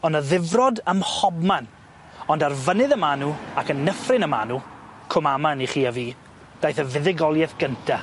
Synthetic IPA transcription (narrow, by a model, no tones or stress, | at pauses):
ɔnəðɪvrɔdəmhɔbman | ɔndarvənɨðəmanuakənːəfrɪnəmanu | kʰʊmamaniχiːaviː | d̥ajθəvɪðɪɡɔlˠjɛθɡ̥əntʰa